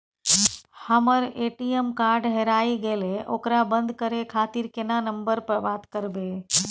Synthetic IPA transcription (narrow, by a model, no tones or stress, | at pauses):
həməɾeʈijəmkaɾɖɦeɾaiɡeleʔo̰kɾabənd̪ʱkəɾekʰat̪iɾkenanəmbəɾpəɾbat̪kəɾbe